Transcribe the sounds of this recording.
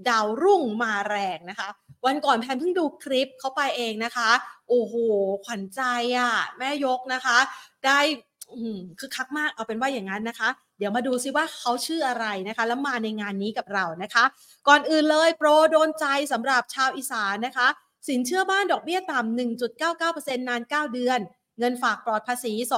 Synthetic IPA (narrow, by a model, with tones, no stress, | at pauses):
da˧wɾu˥˩ŋmaː˧ɾɛː˧ŋna˦˥kʰa˦˥wa˧nkɔː˨˩npʰɛ˧npʰɯ˥˩ŋduː˧kʰɾi˦˥p̚kʰa˦˥wpa˧jʔeː˧ŋna˦˥kʰa˦˥ʔoː˨˩hoː˨˩kʰwa˨˦nt͡ɕa˧jʔa˨˩mɛː˥˩jo˦˥k̚na˦˥kʰa˦˥daː˥˩j | ʔɯː˨˧˩mkʰɯː˧kʰːa˦˥k̚maː˥˩k̚ʔa˧wpe˧nwaː˥˩ja˨˩ŋːa˦˥nːa˦˥kʰa˦˥ | di˩˦wmaː˧duː˧si˧˩waː˥˩kʰa˦˥wt͡ɕʰɯː˥˩ʔa˧ɾa˧jna˦˥kʰa˦˥lɛ˦˥maː˧na˧jŋaː˧nːiː˦˥ka˨˩p̚ɾa˧wna˦˥kʰa˦˥ | kɔː˨˩nʔɯː˨˩nlɤː˧jpɾoː˧doː˧nt͡ɕa˧jsa˨˩˦mɾa˨˩p̚t͡ɕʰaː˧wʔiː˨˩saː˩˦nːa˦˥kʰa˦˥ | si˩˦nt͡ɕʰɯ˥˩ɐbaː˥˩ndɔː˨˩k̚bi˥˩ɐt̪a˨˩mnɯ˨˩ŋt͡ɕu˨˩t̪̚kaː˥˩wkaː˥˩wpɤː˧se˧nːaː˧nkaː˥˩wdɯ˧ən | ŋɤ˧nfaː˨˩k̚plɔː˨˩t̪̚pʰaː˧siː˩˦so˨˩